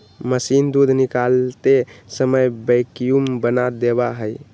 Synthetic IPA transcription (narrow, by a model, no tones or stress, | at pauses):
məsind̪ud̪ʱnikalt̪esəməjbəjkijumbənad̪ebaɦəj